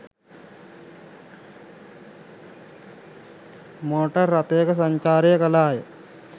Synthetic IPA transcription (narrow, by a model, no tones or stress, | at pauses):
moːʈɐɾːɐt̪eːkɐsɐɲt͡ʃaːɾijɐkɐlaːjɐ